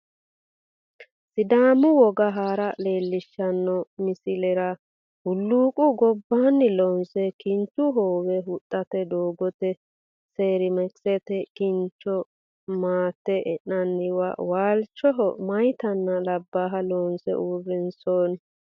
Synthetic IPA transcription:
sɪd̪aːmʊwɔɡɐɦaːɾɐle̞ːlːɪʃːɐnːɔmɪsɪlɛɾɐ | hʊlːuːkʼʊɡɔbːaːnːɪlɔnsɛkɪnt͡ʃːʊɦoːwɛɦʊt̪ʼːɐt̪ɛd̪oːɡɔt̪ɛ | seːɾɪmɛksɛt̪ɛkɪnt͡ʃːɔ | maːt̪ːɛʔɛnɐnːɪwa̰waːlt͡ʃːɔɦɔ̰mɐjt̪ɐnːɐlɐbːaːɦɐlɔnsɛ̰ʔuːrːɪnsoːn

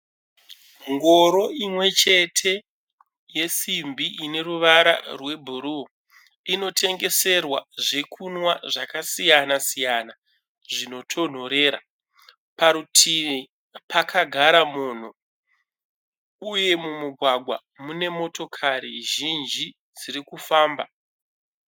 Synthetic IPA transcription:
ŋɡo̞ɾo̞imwe̞t͡ʃe̞tʰe̞ | je̞simbʱiʔine̞ɾuʋaɾa̰rwe̞bʱuɾu | ino̞tʰe̞ŋɡe̞se̞rwa̰ʐe̞kʰunwaʐakasijanasijana | ʐino̞tʰo̞n̤o̞ɾe̞ːɾa̰ | paɾutʰiʋi | pakʰaɡʱaɾamuːn̤u | uje̞mumuɡʱwaɡʱwa̰ | mune̞mo̞to̞kʰaɾiʒind͡ʒi | d͡zirikufaːmba

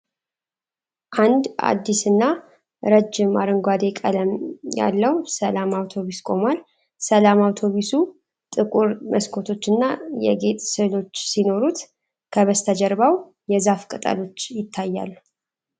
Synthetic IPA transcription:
ʔand̪a̰d̪ːisɨnːa | ɾəd͡ʒːɪmaɾɨŋɡʷad̪e̞kʼələmja̰lːəwsəlamawt̪ʰo̞βiskʼo̞mal | səlamawt̪ʰo̞βisu | t̪ʼɨkʼuɾmʔəskʰo̞t̪ʰo̞t͡ʃːɨnːajɛ̰ɡe̞t̪ʼsɨlo̞t͡ʃːsino̞ɾut̪ | kʰəβəst̪ʰəd͡ʒəɾbaw | jɛzafkʼɨt̪ʼa̰lo̞t͡ʃːjɪt̪ʰːajːa̰l

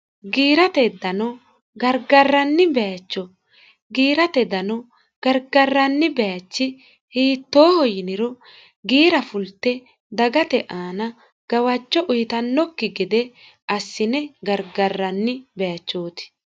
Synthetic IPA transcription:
ɡiːɾɐt̪ɛd̪ɐnɔ | ɡɐɾɡɐrːɐnːɪbɛjɐt͡ʃːɔ | ɡiːɾɐt̪ɛd̪ɐnɔ | ɡ̥ɐɾɡɐrːɐnːɪbɛjɐt͡ʃːɪ | hiːt̪ːoːhɔjɪnɪɾɔ | ɡiːɾɐfʊlt̪ːɛ | d̪ɐɡɐt̪ɛʔaːnɐ | ɡ̥ɐwɐt͡ʃːɔʔʊjɪt̪ɐnːɔkːɪɡɪd̪ɛ | ʔɐsːɪnɛɡɐɾɡɐrːɐnːɪbɛjɐt͡ʃːo̞ːt̪ɪ̥

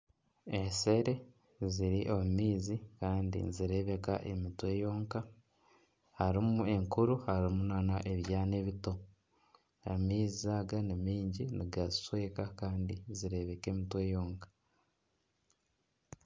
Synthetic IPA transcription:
ese̞ɾe̞ | ziɾiʔo̞mumiːzikaːndḭziɾe̞βe̞ka̰ʔe̞mitwe̞joːŋka | haɾimue̞ŋkuɾuhaɾimunanaʔe̞βjaːneβito | amiːzizaɡanimiːɲɟiniɡazi̥swe̞ːkakaːndiziɾe̞βe̞ke̞ːmitwe̞ːjoːŋkḁ

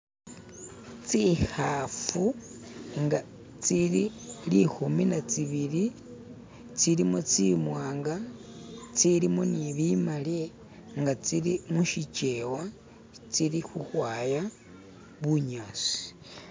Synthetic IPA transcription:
t͡sihafu | ŋɡa | t͡siɾilixuminat͡siβiɾi | t͡silimot͡simwaːŋɡa | t͡silimoniβimale | ŋɡat͡siɾimuʃit͡ʃewa | t͡siɾixuhwaːja | βuɲaːsi̥

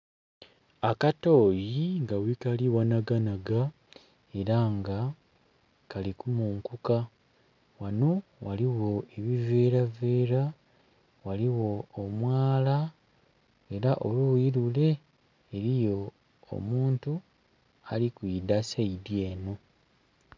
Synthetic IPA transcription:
akato̞ːjiŋɡawikaliwanaɡanaɡa | e̞ɾaŋɡa | kalikumuːŋkuka | wano̞waliwo̞e̞βive̞ːɾave̞ːɾa | waliwo̞ːmwaːla | e̞ɾaʔolujiɾule̞ː | ɾijo̞̰ː | muːntu | alikwiːdasaidjeːno̞

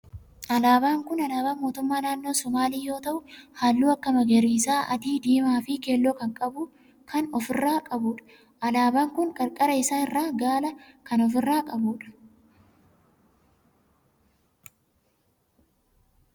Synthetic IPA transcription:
ʔɐlaːbaːŋkʊnɐlaːbaːmo̞ːt̪ʊmːaːnaːnːoːsɔmaːliːjo̞ːt̪ɐʔʊhaːlːuːɐkːɐmɐɡɐɾiːsaːʔɐ̰t̪iːd̪iːmaːfɪkeːlːoːkɐŋkʼɐbʊ | kʰɐnɔfɪrːaːkʼɐbʊᶑɐ̥ | ɐlaːbaːŋkʊŋkʼɐɾkʼɐɾɐɪsaːnɪrːaːɡaːlɐkɐnɔf̬ɪrːaːkʼɐbuːᶑɐ̥

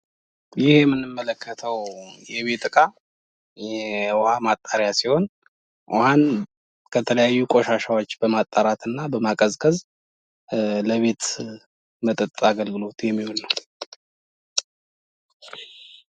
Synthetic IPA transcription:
jɪhjɛmːɨnːɨmːələkʰːət̪ʰəwjɛβe̞t̪ʼɨkʼa | whamat̪ʼːaɾjasiho̞n | ʔhan | kʰət̪ʰələjajːukʼo̞ʃaʃawo̞t͡ʃːbəmat̪ʼːaɾat̪ɨnːabəmakʼəzkʼəz | ləβe̞t̪ | mət̪ʼət̪ʼaɡəlɡɨlo̞t̪jɛmːiholnəw

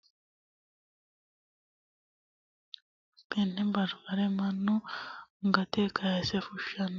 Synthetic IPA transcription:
penembaɾβaɾemanuŋɡatekʰajasefuʃʃan

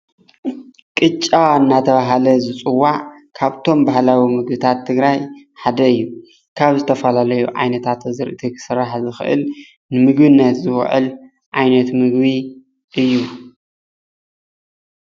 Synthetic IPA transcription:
kʼɨt͡ʃʼːaɨnːat̪ʰɐβaɦalɐzɨt͡sʼɨwːaʕkʰaβt̪ʰo̞mbahlawimɨɡbɨt̪ʰat̪ʰːɨɡɾaj | ħad̪ɐɨjːu | kʰaβzɨt̪ʰɐfɐlalɐjuʕa̰jnɐt̪ʰat̪zɨɾʔɨt̪ʰikʰɨ̥sɨɾaħzɨxɨʔɨ̰l | nɨmɨɡbɨnːɐt̪zɨw̰ʕɨ̰l | ʕajnɐt̪mɨɡβi | ʔɨjːu

